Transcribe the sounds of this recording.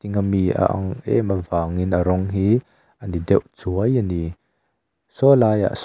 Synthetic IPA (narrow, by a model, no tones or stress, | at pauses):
iŋamia̰ʔɐ̰ŋʔɛ̰məvaːŋinəɾɔŋɦi | ənidɛwʔt͡suəjəni | sɔlaːja̰ʔs